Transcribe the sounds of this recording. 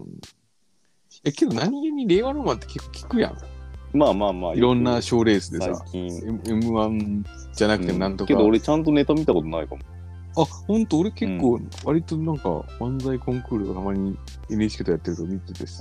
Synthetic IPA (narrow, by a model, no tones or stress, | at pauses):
ɯ | jake̞d̪o̞naɲ̟ieɲ̟ːiɾe̞ːβanoːmãnt̪e̞̥ke̞kːoːkʲʰi̥kɯ̟jã̰maːmaːmaːiɾõ̞nːaɕo̞ːɾe̞ːsɨd̪e̞sa̰kʲĩememɯ̟βãn | d͡ʑanakɯ̟t̪e̞monãnt̪o̞kead̪oːɾet͡ɕãnt̪̬one̞t̪amʲit̪akot̪onaikamo | ahõ̞nt̪oːɾe̞ke̞kːoːβaɾʲit̪o̞nãŋka̰mãnd͡zaikõ̞ŋkɯ̟ːɾoɡat̪amaɲ̟i | e̞nɯ̟et͡ɕi̥ket̪ojat̪ːe̞ɾɯ̟t̪omʲit̪ed̪e̞sɨ̥